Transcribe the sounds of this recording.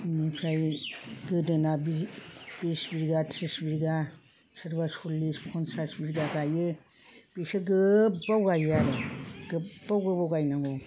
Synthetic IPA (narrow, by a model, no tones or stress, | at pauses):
nipʰɾajɡɯdɯnabib̥isbiɾɡatʰɾisbiɾɡa | sʰɯɾbasɔlːispʰɔnsasbiɾɡaɡajɯ | b̥isɯɡɯbawɡajaɾɯɡ̥ɯb̥awɡɯbawɡajnaŋɡo